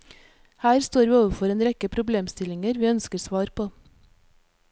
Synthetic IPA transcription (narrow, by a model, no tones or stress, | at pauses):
hæːɾst̪oːɾʋiːoːʋəfɔɾeːnɾɛkəpʰɾʊbleːmst̪ɪlɪŋəɾʋiːœnskəɾsʋɑːɾpʰoː